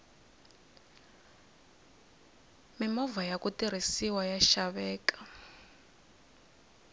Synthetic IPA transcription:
mimɔvajakutiɾ̤isiwajaʃaβɛːkḁ

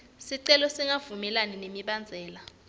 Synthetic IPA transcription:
siǀɛlɔsiŋavumɛlaninemiɓand͡zʱɛːla

